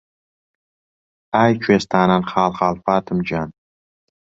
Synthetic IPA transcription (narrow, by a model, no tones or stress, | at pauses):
ajt͡ʃʰuest̪ʰaːnanχaːlˠχaːlfaːt̪ʰɨmd͡ʒan